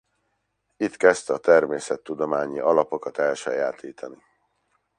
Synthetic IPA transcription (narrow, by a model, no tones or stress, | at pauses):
it̪kɛst̪ɒt̪ɛrmeːsɛt̪ːud̪o̞maːɲiʔɒlɒpo̞kɒt̪ɛlʃɛjaːt̪iːt̪ʰɒni